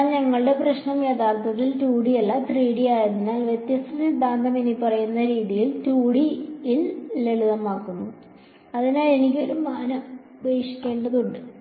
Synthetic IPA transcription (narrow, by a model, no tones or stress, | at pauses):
lɲɐŋːɐɭɨɽe̞prɐɕnɐmjet̪aːrt̪ʰɐt̪ːilt̪uːɽijɐlːɐt̪riːɽijaːjenːinːaːlʋjet̪jɐst̪ʰɐt̪ːid̪aːnd̪ʱɐmenipːɐrɐjunːɐɾiːðijiltuːɽiilleɭuðɐmaːkːunːu | ɐðinaːlenikʲːo̞ɾumaːnɐm | beːʂi̥kʲːe̞ːɳɖɐðuɳɖɨ